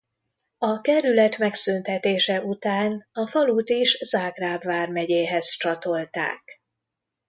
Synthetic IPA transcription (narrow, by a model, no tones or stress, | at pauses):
ɒkɛɾylɛt̪mɛksynt̪ɛt̪eːʃɛʔut̪aːnɒfɒluːt̪iʃzaːɡraːbvaːrmɛɟeːɦɛzt͡ʃɒt̪o̞lt̪a̰ːk